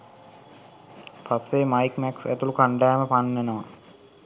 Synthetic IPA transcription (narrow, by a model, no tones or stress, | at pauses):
pasːemajkmɛksæ̰t̪ulukaɳɖæːməpanːenəʋa